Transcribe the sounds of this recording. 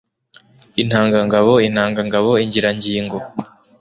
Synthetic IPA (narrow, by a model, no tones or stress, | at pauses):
in̥haːŋɡaŋɡaβo̞in̥haːŋɡaŋɡaβo̞iɲɟiɾaɲɟiːŋɡo̞